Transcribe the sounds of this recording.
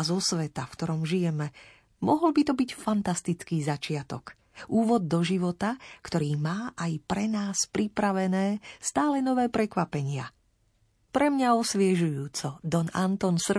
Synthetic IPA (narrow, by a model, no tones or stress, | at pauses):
zɔsʋɛt̪afkt̪ɔɾɔmʒijɛmɛ | mɔɦɔlbit̪ɔbicfant̪ast̪it͡skiːzat͡ʃɪat̪ɔk | ʔuːʋɔd̪̚ːɔʒiʋɔt̪akt̪ɔɾiːmaːʔajpɾɛnaːspɾipɾaʋɛnɛːst̪aːlɛnɔʋɛːpɾɛkʋapɛɲɪa | pɾɛmɲaɔsʋɪɛʒujuːt͡sɔd̪ɔnant̪ɔnsr